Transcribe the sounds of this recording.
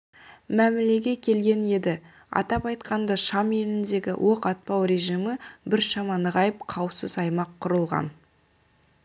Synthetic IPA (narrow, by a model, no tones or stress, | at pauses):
mæmɪle̞ɡʲe̞kʲʰe̞lɡʲe̞ne̞d̪ɪ | ɑ̰t̪ɑpɑjt̪qɑnd̪ɑʃɑme̞lɪnd̪e̞ɡʲɪ̰wʔo̞qɑt̪̚pɑwɾe̞ʒijməbɪɾʃɑmɑnəʁɑjəp̚qʰɑwəpsəzɑjmɑqʰːʊɾəlˠʁɑ̰n